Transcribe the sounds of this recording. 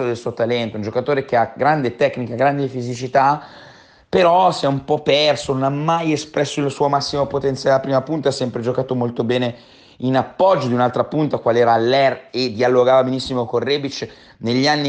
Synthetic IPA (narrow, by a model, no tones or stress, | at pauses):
od̪elsuːot̪alɛnt̪ound͡ʒokat̪oːɾek̟eaɡɾand̪et̪ɛkːnikaɡɾand̪efizit͡ʃit̪a | peɾɔsiɛumpɔpːɛrsononamːajespɾɛsːoilsuːomasːimopot̪ent̪sjaleapɾiːmapunt̪asːɛmpɾed͡ʒokaːt̪omolt̪obɛːne | inapːɔd͡ʒːod̪iunalt̪ɾapunt̪akwaleɛːɾalːɛred̪ialːoɡaːvabenisːimokorːebit͡ʃ | neʎːianːi